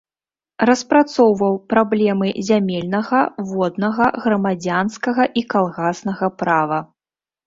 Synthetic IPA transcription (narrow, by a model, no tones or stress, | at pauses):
rɐspɾat̪sɔwvɐwpɾablʲɛmɨzʲamʲɛlʲnɐɣɐvɔd̪nɐɣɐɣɾɐmad͡zʲanskɐɣɐʔikalˠɣasnɐɣɐpɾavɐ